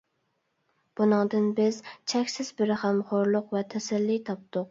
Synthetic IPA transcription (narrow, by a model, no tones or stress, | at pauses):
b̥unɨŋd̪ɨnbɪzt͡ʃʰɛkʲsɪzbɪɾɪχæmχoɾlˠʊqvɛt̪ʰɛsɛlːit̪ʰɑp̚t̪ʊq